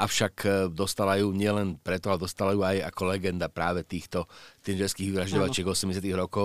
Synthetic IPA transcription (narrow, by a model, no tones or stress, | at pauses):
ʔafʊʃakd̪ɔst̪alajuːɲɪɛlɛnpɾɛt̪ɔalɛd̪ɔst̪alajuːaja̰kɔlɛɡɛnd̪apɾaːʋɛt̪iːxt̪ɔt̪iːd͡ʒɛskiːɣʋiʋɾaʒɟɔʋat͡ʃɪɛɡɔsɛmɟɛs̬ɪat̪iɣɦɾɔkɔ